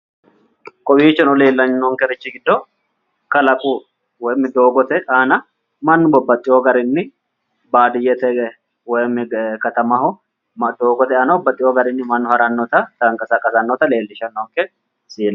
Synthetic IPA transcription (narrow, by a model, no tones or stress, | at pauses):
kʼɔbiːt͡ʃːɛnɔle̞ːlːɐnnɔŋkɛɾɪt͡ʃːɪɡɪd̪ːɔ | kɐlɐkʼu | wɔjmːɪd̪oːɡɔt̪ɛʔaːnɐ | mɐnːʊbɔbːɐt̪ʼːɪjɔɡɐɾɪnːɪ | baːd̪ɪjɛt̪ɛ | wɔjmːɪkɐt̪ɐmɐhʊ | mɐd̪oːɡɔt̪ɛaːnɐbɔbːɐt̪ʼːɪjɔɡɐɾɪnːɪmɐnːʊhɐɾɐnːɔt̪ɐt̪ɐŋkʼɐsɐkʼɐsɐnːɔt̪ɐle̞ːlːɪʃɐnːɔŋkɛ | siːlɐ